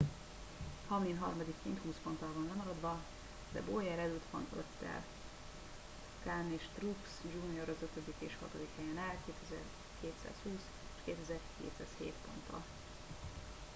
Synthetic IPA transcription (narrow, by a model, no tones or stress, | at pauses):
hɒmlinɦɒ̰rmɒd̪ikːeːnt̪huːspo̞nt̪ɒlvɒnlɛmɒɾɒd̪vɒ | d̪ɛ̰boːjɛɾɛlyt̪ʋɒ̰nø̰t̪ːɛ̰l | kaneːʃt̪rupsd͡ʒunioɾɒzøt̪ød̪ikeːʃhɒ̰t̪od̪ikhɛjɛnalkeːt̪ɛzɛr | keːt̪sa̰ːshuːs | eʃkeːt̪ɛzɛrkḛːt̪sa̰ːshḛːt̪po̞̰nt̪ɒ̰